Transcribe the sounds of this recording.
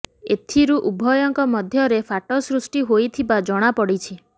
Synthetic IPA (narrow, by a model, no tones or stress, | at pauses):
et̪ʰiɾuʔubʱɔjɔŋkɔmɔd̪ʱjɔɾefʰaʈɔsɾusʈiɦojt̪ʰibad͡ʒɔɽ̃apɔɽit͡ʃʰi